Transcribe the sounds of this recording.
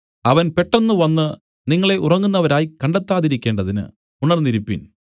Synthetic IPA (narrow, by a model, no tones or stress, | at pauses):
ɐʋɐnpe̞ʈːɐnːɨʋɐnːɨ | niŋːɐɭe̞ʔurɐŋːunːɐʋɐɾaːjikɐɳɖet̪ːaːðiɾikʲːe̞ːɳɖɐðinɨ̰ | uɳɐrnːiɾipːḭn